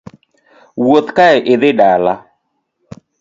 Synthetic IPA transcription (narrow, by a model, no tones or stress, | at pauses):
wot̪kaeʔɪðɪɗaːla